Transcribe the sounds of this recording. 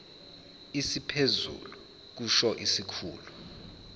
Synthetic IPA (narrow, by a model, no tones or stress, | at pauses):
isipʰezṵlu | k̬uʃɔʔisikʰṵːlu